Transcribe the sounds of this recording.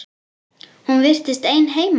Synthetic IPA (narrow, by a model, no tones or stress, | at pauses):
hunvɪr̥t̪ɪst̪ejnɦeːjm